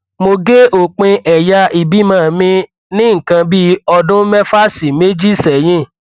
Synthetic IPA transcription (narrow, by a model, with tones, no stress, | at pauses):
mo˧ɡe˦ʔo˨k͡pẽ˧ʔɛ˨ja˧ʔi˨bi˨˦mãː˦˨mĩ˧ | nĩ˦ŋ̩˨kã˧bi˦ɔ˧dʊ̃˦mɛ˦fa˦˨si˨me˦d͡ʒi˦˨sɛ˨j̃ĩ˦˨